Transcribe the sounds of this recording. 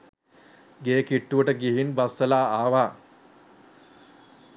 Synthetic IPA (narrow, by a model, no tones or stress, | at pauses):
ɡeːkiʈːuʋəʈəɡiɦinbasːəlaːaːʋaː